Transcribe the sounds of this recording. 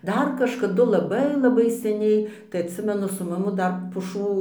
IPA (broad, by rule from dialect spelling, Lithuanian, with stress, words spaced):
ˈdɐr kɐʃkɐˈdʊ lˠɐˈbɐɪ lˠɐˈbɐɪ sʲɛˈnʲɛɪ tɐɪ ɐtʲˈsʲɪmʲɛnʊ sʊ mɐˈmʊ ˈdɐr pʊˈʃuː